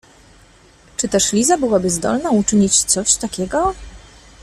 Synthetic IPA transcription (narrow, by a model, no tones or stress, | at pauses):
t͡ʂɘt̪ɛʂlʲizabɘwabɘzd̪ɔ̰lnaut͡ʂɘɲit͡ɕt̪sɔɕt̪akʲɛɡɔ